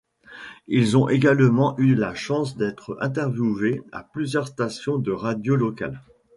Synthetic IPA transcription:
ilzɔ̃ʔeɡalmɑ̃ʔylaʃɑ̃sd̪ɛt̪χɛ̃t̪ɛʁvjuvea̰plyzjœʁst̪asjɔ̃d̪əʁad̪jolɔka̰l

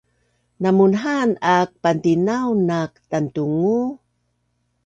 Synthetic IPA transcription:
namunɦanak̚pantinawnak̚tantuŋu

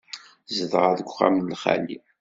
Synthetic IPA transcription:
zəðʁaðəɡʷχa̰mnlχæ̰lḭ

